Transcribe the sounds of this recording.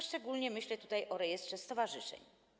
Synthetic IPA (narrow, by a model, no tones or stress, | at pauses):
ʂt͡ʂɛɡulɲɛmɘɕlɛt̪ut̪ajʔɔɾɛjɛst̪ʂɛst̪ɔvaʐɘʂɛ̰ɲ